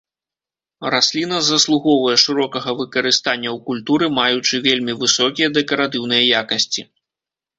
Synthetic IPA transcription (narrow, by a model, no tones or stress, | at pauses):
rasʲlʲinɐzɐslˠuɣɔvɐjɛʂɨɾɔkɐɣɐvɨkɐɾɨst̪anʲːɐwkulʲt̪uɾɨmajut͡ʂɨvʲelʲmʲivɨsɔkʲijɐd̪ɛkɐɾat̪ɨwn̪ɨjɐjakɐsʲt͡sʲi